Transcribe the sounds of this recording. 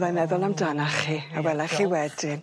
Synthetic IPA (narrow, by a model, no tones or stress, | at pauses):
ðajmɛðʊlˠamdanaχiːawɛlaχiwɛdɪn